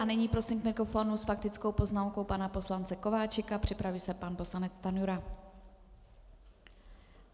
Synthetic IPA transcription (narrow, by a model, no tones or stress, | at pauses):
anɛɲiːpɾo̞simkmɪkɾo̞fo̞nusfak̚t̪ɪt͡skowpo̞znaːmko̞wpanapo̞slant͡sɛko̞vaːt͡ʃɪkapr̝̥ɪpɾaviːsɛpanpo̞slanɛt͡st̪anjuɾa